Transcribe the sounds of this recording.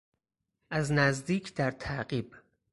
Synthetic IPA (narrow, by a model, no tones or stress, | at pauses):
ʔæznæzd̪iːcʰd̪̥æɾt̪ʰæʔɢiːb